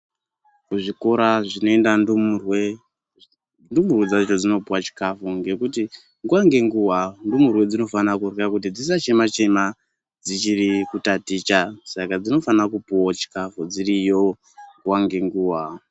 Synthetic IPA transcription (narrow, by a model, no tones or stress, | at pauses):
kuʐiko̞ɾaʐino̞e̞ndandumurwe | ndumurwed͡zait͡ʃod͡zino̞puwat͡ʃi̥kafuŋɡe̞kuti | ŋɡuwaŋɡe̞ŋɡuwandumurwe̞d͡zino̞fanakurakut̬id͡zis̬at͡ʃe̞mat͡ʃe̞ma | d͡zit͡ʃirikutatit͡ʃasakad͡zino̞fanakupuwat͡ʃi̥kafud͡zirijo̞ | ŋɡuwaŋɡe̞ŋɡuːwa